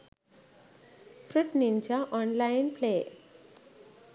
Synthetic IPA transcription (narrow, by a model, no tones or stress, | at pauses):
pʰɾuʈnint͡ʃʰʌʔɔnlajnple